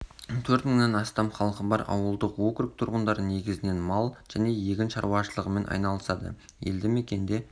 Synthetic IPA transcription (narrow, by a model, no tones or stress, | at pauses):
t̪ʰɵɾt̪məɴnɑnɑst̪ɑmχɑlˠqəbɑɾɑ̰wəlˠd̪əqwokɾɪk̚t̪ʰʊɾʁənd̪ɑɾəne̞ɡʲɪzɪne̞nmɑlˠʒ̥æne̞je̞ɡʲɪnʃɑ̰ɾuɑʃəlˠəʁəme̞nʔɑ̰jnɑlˠəsɑd̪ə̰ | jḛld̪ɪme̞kʲe̞nd̪e̞